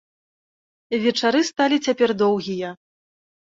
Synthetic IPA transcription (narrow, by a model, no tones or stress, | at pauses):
vʲɛt͡ʂaɾɨst̪alʲit͡sʲapʲɛrd̪ɔwɣʲijɐ